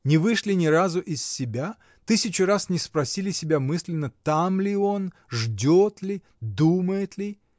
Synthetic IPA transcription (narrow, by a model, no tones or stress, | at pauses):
nʲɪvɨʂlʲɪnʲɪɾazʊʔɪsːʲɪbʲa | t̪ɨsʲɪt͡ɕʊɾasnʲɪspɾɐsʲilʲɪsʲɪbʲamɨsʲlʲɪnːət̪amlʲɪo̞n | ʐdʲot̪lʲɪ | d̪uməjɪt̪lʲɪ